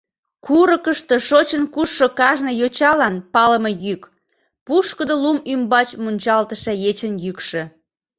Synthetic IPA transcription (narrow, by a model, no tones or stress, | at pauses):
kʰuɾəkəʃt̪ə̆ʃot͡ɕənkuːokɑʒnə̆jot͡ɕɑlɑnpɑləmejyk | puʃkəd̪olumymbɑt͡ɕmunʲt͡ɕɑlt̪əʃejet͡ɕənjykʃĕ